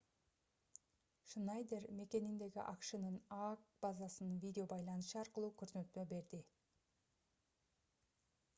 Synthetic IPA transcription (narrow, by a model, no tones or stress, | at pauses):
ʃnɑjd̪e̞ɾme̞kʲe̞nɪnd̪e̞ɡʲɪ̰ʔɑqʃənənɑkb̥ɑzɑsənvʲijd̪ʲeo̞bɑjlˠɑnəʃəɑɾqəlˠukʲʰɵɾt̪nøt̪me̞be̞ɾd̪ɪ